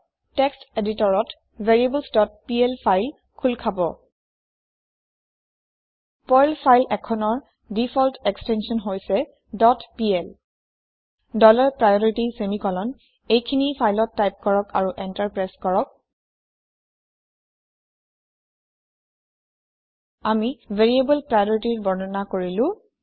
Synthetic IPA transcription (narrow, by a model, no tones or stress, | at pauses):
teksteditɔɹɔt | vʱeɹiebəlsdɔt̚piɛlpʰajl | kʰulkʰabɔ | pɔjlpʰajlɛkʰɔnɔɹ | difʰɔltɛkstɛnsiɔnɦojsɛ | dɔtpiɛl | dɔlɔɹpɹajɔɹitisemikɔlɔn | ejkʰinipʰajlɔtːajp̚kɔɹɔka̰ɹuʔɛntaɹpɹaskɔɹɔk̚ | amiveɹiebɔlpɹajɔɹitiɹbɔɹnɔnakoɹilʊ̃